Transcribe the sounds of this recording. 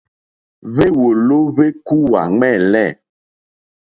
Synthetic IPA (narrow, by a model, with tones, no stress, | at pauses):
βe˦wo˨lo˦βe˦ku˦wa̰˨ŋ͡mɛ˦˨lɛ˦˨